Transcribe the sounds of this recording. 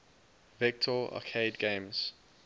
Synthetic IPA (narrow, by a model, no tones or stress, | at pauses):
vɪk̚tʰɔa̰kʰeɪdɡẽmz̥